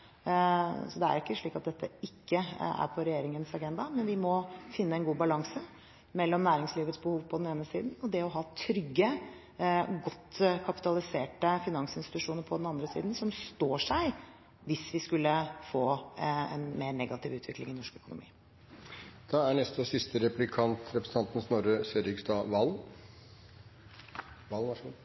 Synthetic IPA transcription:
sɔd̪ɛæ̰ɾɪkːəʂɭiːkɑt̪̚d̪ɛt̪ʰːəɪkːəæ̰ɾpʰɔɾɛjeːɾɪŋənsɑɡɛnd̪ɑmɛnʋɪmɔfɪnːəɛnɡuːbɑlɑŋsə | mɛlːɔmnæːɾɪŋsliːʋət̪sbəhuːʋpʰɔd̪ɛneːnəsiːd̪n̩ɔd̪ɛɔɦɑːt̪ʰɾʏɡːə | ɡɔt̪ːkʰɑpɪ̥t̪ɑlˠɪseːʈəfɪnɑŋsɪnst̪ɪt̪ʉʂuːnəɾpʰɔd̪ɛnɑnd̪ɾəsḭːd̪n̩sɔmst̪oːʂæɪ | ʋɪsʋɪskʉlːəfoːɛ̰nmeːɳɛɡɑt̪ʰɪːʋʉːt̪ʰʋɪklɪ̰ŋɪnɔʂkœkʊnʊ̰mḭː | d̪̥ɑæɳɛst̪ɔsɪst̪əɾɛplɪkʰɑnt̪ʰɾɛpɾəsn̩ʰɑnt̪n̩snɔɾəseɾɪksd̪ɑːʋɑl | ʋɑlʋ

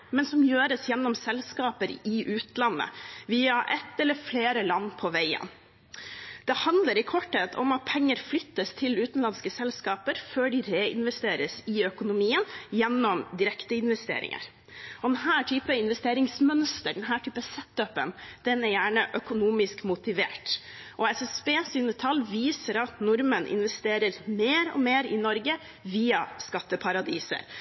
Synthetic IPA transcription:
mɛnsɔmjøːɾəsjɛnːɔmsɛlskɑːpəɾɪʔʉːt̪lɑnːə̰ʋiːɑʔɛt̪ːɛləɾfleːɾəlɑnːpʰɔʋæɪə̰n | d̪̥ɛhɑnd̪ləɾɪkʰɔʈheːt̪ʰɔ̰mɑt̪̚pʰɛŋːəɾflʏt̪ːəst̪ʰɪlʉːt̪nlɑnskəsɛlskɑːpəɾføːɖɪɾeːɪ̰nʋɛst̪eːɾəsɪœkʊnʊmiːənjɛnːɔmd̪ɪɾɛkt̪əɪnʋɛst̪ḛːɾɪ̰ŋʔə̰ɾ | ɔd̪ɛnɦæːʈʰyːpəɪnʋɛst̪eːɾɪŋsmœnst̪əɖɛnɦæːʈʰyːpəsɛt̪ːœpə̰nd̪̥ɛnɛɾjæːɳəʔœkʊnuːmɪskmʊt̪ɪʋḛːʈ | ʔɔɛsɛsbeːsyːnət̪ʰɑlːʋiːsəɾɑt̪nʊɾmənʔɪ̰nʋɛst̪eːɾəɾmeːɾɔ̰meːɾɪnɔɾɡə | ʋiːɑskɑt̪ːəpʰɑɾɑd̪iːsə̰ɾ

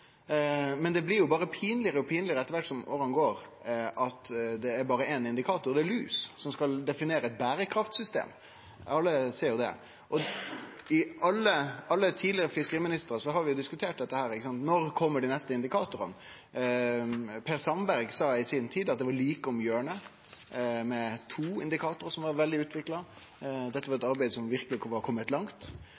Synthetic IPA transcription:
mɛnd̪ɛblɪɾjʊbɑːɾəpʰiːnlɪəɾəɔpʰiːnlɪəɾəɛt̪ːəɾʋæʈːsɔmʔo̰ːɾɑnɡoːɾʔɑt̪d̪ɛːɾbɑːɾəɛnɪnd̪ɪkʰɑːt̪ʊɾd̪ɛɛlʉ̰ːssɔmskɑld̪ɛfɪneːɾəɛt̪̚bæːɾəkʰɾɑft̪sʏst̪ḛːm | ɑlːəseːɾjʊd̪ɛ̰ | ʔɔ | ɪɑlːəɑlːət̪ʰiːdlɪəɾəfɪskəɾiːmɪnɪst̪əɾəsɔɦɑɾʋɪjʊd̪ɪskʉt̪ʰeːʈ̚d̪ɛt̪ːəhæːɾɪkːəsɑnt̪nɔɾkʰɔmːəɖɪnɛst̪əɪnd̪ɪkʰɑːt̪ʊɾə̰n | pʰeːɾsɑmbæɾɡsɑːɪsɪnt̪ʰiːd̪ɑt̪̚d̪ɛʋɑɾɭiːkəɔmjøːəɳə | mɛt̪ʰuːɪnd̪ɪkʰɑːt̪ʊɾsɔmʋɑɾʋɛld̪ɪʉːt̪ʰʋɪklɑ | d̪ɛt̪ːəʋɑɾɛt̪ɑɾbæɪd̪əsɔmʋɪɾklɪkʰʋɑɾkʰɔmːət̪lɑŋt̪

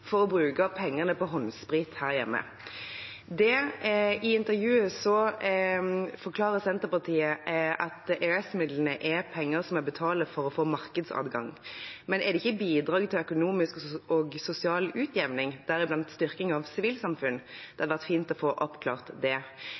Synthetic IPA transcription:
fɔʁɔbɾʉːkɑpʰɛŋːəʁnəpʰɔɦɔnspɾiːt̪hæːʁjɛmːə̰ | d̪ɛ | ɪɪnt̪əɾjʉːəsɔ | fɔʁkʰlɑːʁəsɛnt̪əʁpɑʁt̪ʰiːəʔɑt̪ɛɛsmɪd̪lənəʔɛpʰɛŋːəɾsɔmɛbət̪ʰɑːləfɔɾɔfoːmɑɾkəd̪sɑ̰ːd̪ɡɑ̰ŋmɛnɛd̪ɛɪçːəbiːd̪ɾɑːɡt̪ʰɪlœkʊnuːmɪskɔɡsʊsɪɑːlʉːt̪jɛʋnɪŋd̪̥æɾɪblɑnt̪st̪ʏʁkɪŋɑʋsɪʋiːlsɑmfʉnːd̪̥ɛhɑd̪əʋæʁt̪fiːnt̪ɔfoːʔɔpkʰlɑ̰ːʁt̪d̪ɛ

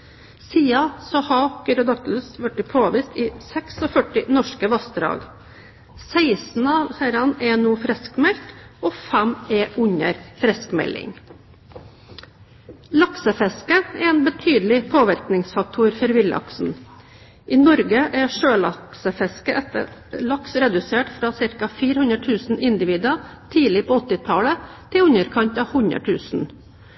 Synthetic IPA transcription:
siːɑsɔhɑkəɾɔd̪ɑt̪ləsʋæʈːɪpʰoːʋɪst̪iːsɛksɔfœʈɪnɔʂkəʋɑst̪ɾɑ̰ːɡ | sæɪsn̩ɑʋhæɾɑnɛnuːfɾɛskmɛlt̪oːfæmɛʔʉɲə̰ɾfɾɛskmɛ̰lɪ̰ŋ | lɑksəfɛskəɛeːnbət̪ʰyːd̪lɪpʰoːʋæɾknɪŋsfɑk̚t̪ʰuɾfɔɾʋɪlɑ̰ksn̩ | ʔiːnɔɾɡəʔɛʂøːlɑksəfɛskəʔɛt̪ə̰ɭɑksɾɛd̪ʉseːʈfɾɑːsɪɾkɑfiːɾəhʉnɾəʈ̪ʰʉːsn̩ɪnd̪ɪʋiːd̪ɑt̪ʰiːlɪpʰoːɔt̪ːɪt̪ʰɑːlət̪ʰɪlʉɲəɾkʰɑɲt̪ɑʋhʉɲə̰ʈʰʉːsn̩

